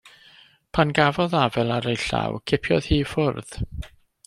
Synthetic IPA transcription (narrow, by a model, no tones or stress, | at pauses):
pʰanɡavɔðavɛlˠaɾejɬa̰wkʰɪpʰjɔ̰ð̥hiːfʊrð̥